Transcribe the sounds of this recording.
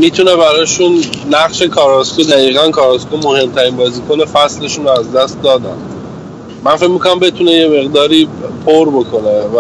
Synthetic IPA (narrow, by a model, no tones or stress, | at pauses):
miːt̪ʰune̞βæɾɒːʃunːæɣʃe̞kʰɒːɾɒːskud̪æjiːɣænkʰɒːɾɒskumohe̞mt̪ʰæɾinbɒːziːkʰonefæsle̞ʃunoæzd̪æst̪̚d̪ɒːd̪æ̰m | mænfecʲmikʰonæmbe̞t̪ʰune̞je̞me̞ɣd̪ɒːɾiːpʰoɾbo̞kʰonevæ